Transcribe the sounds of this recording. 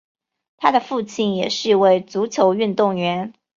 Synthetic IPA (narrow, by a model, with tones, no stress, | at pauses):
t̪ʰa˥d̪ə˨fu˥˧t͡ɕʰi˥˩njɛ˨˩ʂɻ̩˥˧we˥˩ɪt͡su˧˥t͡ɕʰjo˧˥ʊy˥˧nt̪ʊ˥˩ŋɥɛ˧˥n